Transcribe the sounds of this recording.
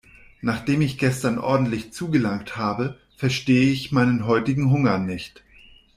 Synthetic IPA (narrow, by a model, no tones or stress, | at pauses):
naːχd̥eːmɪçɡ̥ɛstɐnʔɔ̰ɐdn̩tlɪçt͡suːɡəlaŋkthaːbə | fɛɐʃteːəɪçmaɪnənɦɔʏtɪɡŋ̩ɦʊŋɐnɪçt